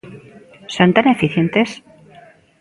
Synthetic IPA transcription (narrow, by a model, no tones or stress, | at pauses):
sont̪anefiθjent̪es